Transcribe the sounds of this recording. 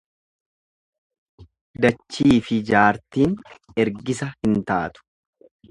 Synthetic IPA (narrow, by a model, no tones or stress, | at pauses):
d̪ɐt͡ʃːiːfɪd͡ʒaːɾt̪iːnɛɾɡɪsɐhɪnt̪aːt̪ʊ̥